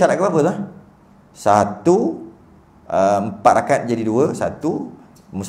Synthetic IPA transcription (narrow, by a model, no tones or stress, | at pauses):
aɾaʔ̪̚kəbapət̪ah | sat̪u | əmpat̪̚ɾakat̪̚d͡ʒadiduəsa̰t̪u | mus